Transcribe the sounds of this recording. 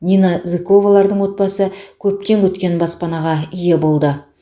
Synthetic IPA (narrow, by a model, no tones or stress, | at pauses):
nʲijnazɪko̞valˠɑɾd̪əɴwo̞t̪̚bɑsəkʲʰɵp̚t̪e̞ŋkʲʰɵt̪kʲe̞nbɑspɑnɑʁɑije̞bo̞lˠd̪ə